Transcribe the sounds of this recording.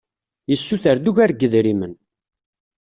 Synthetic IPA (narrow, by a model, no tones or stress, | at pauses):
jəsːuθəɾd̪uʝæɾɡəðɾimən